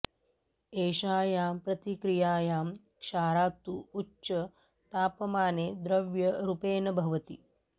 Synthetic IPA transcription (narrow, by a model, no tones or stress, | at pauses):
eːʃaːjaːmpɾɐt̪ikɾijaːjaːm | kʃaːɾaːt̪uːt͡ʃːt͡ʃːɐ | t̪aːpɐmaːneːd̪ɾɐʋjɐɾupeːnɐbʱɐʋɐt̪ḭ